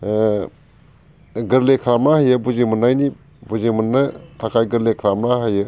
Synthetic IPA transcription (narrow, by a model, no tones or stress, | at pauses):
ɡɯɾlekʰɾamnahajɯbuzemunːajni | buzemunːɯtʰakʰajɡɯɾlekʰɾamnaɦajɯ